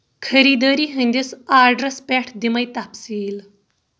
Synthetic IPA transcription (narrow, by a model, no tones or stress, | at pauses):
kʰəɾiːd̪əɾiːɦə̃nʲd̪ʲisaːɾɖɾɐspʲɛʈʰd̪imɐjt̪apsiːl